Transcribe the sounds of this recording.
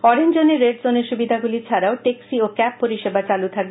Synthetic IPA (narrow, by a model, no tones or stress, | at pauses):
ɔɾend͡ʑoneɾːeʈd͡ʑoneɾʃubid̪ʱaɡulit͡ɕʰaɾaoʈeksiokɛpːoɾiʃebat͡ɕalut̪ʰak̚be